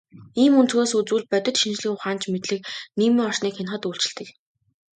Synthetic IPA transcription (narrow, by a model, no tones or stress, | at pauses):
iːmunt͡sɵweːsut͡suːɮ̚pœt̪ʲɪ̆t̪ʃint͡ɕɮiːŋʊχaːnt͡ɕmet̪ɮɘ̆k̚niːmiːŋɔrʃniːkxenχə̆t̪uːɬt͡ɕɪ̆ɬt̪ɘ̆k